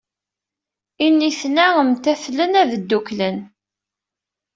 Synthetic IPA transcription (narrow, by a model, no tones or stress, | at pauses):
inːiθnæəmt̪æθlənæðəd̪ːuklən